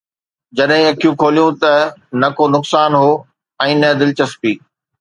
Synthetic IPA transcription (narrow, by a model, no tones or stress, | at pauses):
d͡ʑɐɗɦɪ̃ɐkʰijũkʰoːlijũt̪ɐnɐkonʊksaːnɦoː | ɛ̃ːnɐd̪ɪlɪt͡ɕɐspiː